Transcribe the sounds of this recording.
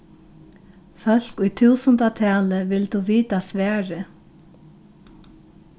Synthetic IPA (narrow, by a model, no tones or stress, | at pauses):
fœl̥kʊjt̪ʰuːsənt̪at̪ʰɛːləʋɪlt̪uʋiːt̪asʋɛːɹɪ